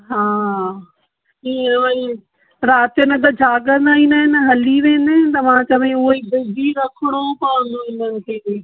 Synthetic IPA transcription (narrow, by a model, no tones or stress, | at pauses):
ɦaː | iːʋɐĩ | ɾaːt̪jənɪ̆t̪̬ɐd͡ʑʱaːɠə̃nd̪aːɦĩːnd̪əɦɪnəɦɐliʋẽɪ̃nd̪ɪɦɪ̃nt̪ɐmãt͡ɕɐʋĩʊibɪdiɾɐkʰɪɽ̃opaʋə̃nd̪oɪ̃nənɪ̆kʰeː